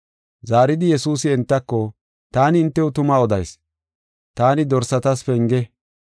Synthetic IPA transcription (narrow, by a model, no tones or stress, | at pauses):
zaːɾɪd̪ɪjɛsuːsɪɛnt̪ːɐkːɔ | t̪aːnɪɪnt̪ːɛʊt̪ʊmaːɔd̪ɐjs | t̪aːnɪd̪ɔɾsɐt̪ɐsfɛŋɡɛ